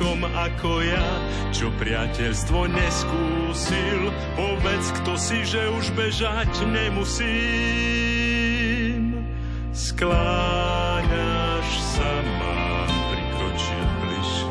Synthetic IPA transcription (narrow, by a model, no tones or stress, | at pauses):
ɔm | akɔja | t͡ʃɔpɾɪacɛʎst̪ʋɔɲɛskuː | sil | pɔbɛt͡skt̪ɔsiʒɛuʒbɛʒacɲɛmusiː | m | skla | ɲa | ʃ | sa | ma̰ː | pɾikɾɔt͡ʃḭlbliʃ